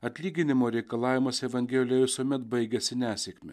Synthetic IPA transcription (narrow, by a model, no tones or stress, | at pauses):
ɐt̪ʲlʲiːɡʲɪnʲɪmoːɾʲɛɪkɐlˠɑːʋʲɪmɐsʲɛʋɐŋʲɡʲɛːlʲɪjɛʋʲɪsuɔmʲɛt̪bɐɪɡʲɛsʲɪnʲæːsʲɛkʲmʲɛ